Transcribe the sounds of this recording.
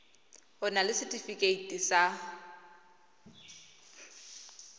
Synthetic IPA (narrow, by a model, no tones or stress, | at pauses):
hʊnalɪsɪtʼifikʼeitʼisa